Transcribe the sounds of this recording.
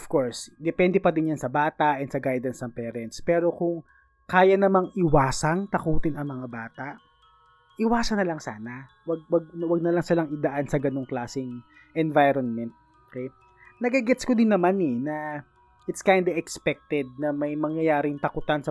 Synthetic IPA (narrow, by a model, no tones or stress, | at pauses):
ɔfkoɹsd̪ɛpɛnd̪ɛpɐd̪ɪnjansɐbaːt̪ɐʔɛnsɐɡajd̪ɐnsnɐŋpɛːɾɛnt̪spɛːɾo̞kʊŋ | kaːjɐnɐmaŋʔɪwaːsɐŋt̪ɐkuːt̪ɪnɐŋmɐŋabaːt̪aʔ | ʔɪwaːsɐnːɐlɐŋsa̰ːnɐ | wɐɡ̚wɐɡ̚wɐɡ̚nɐlɐŋsɪlɐŋɪd̪ɐʔansɐɡɐnoŋklaːsɪŋ | ʔɛnvajɾonmɛnt̪̚ | okej | nɐɡɐɡɛt̪skod̪ɪnːɐmanɛnɐ | ʔɪt̪skajnd̪ɐʔɛkspɛk̚t̪ɛd̪̚nɐmɐjmɐŋjɐjaːɾɪŋt̪ɐkʊt̪ansɐ